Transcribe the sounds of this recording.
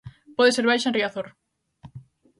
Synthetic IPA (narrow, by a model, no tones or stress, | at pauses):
pɔðeseɾβajʃanriaθoɾ